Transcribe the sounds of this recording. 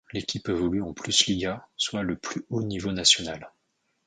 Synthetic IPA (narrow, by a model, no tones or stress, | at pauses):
lekʲʰipɛvɔlyɑ̃plysliɡaswaləplyonivonasjɔnal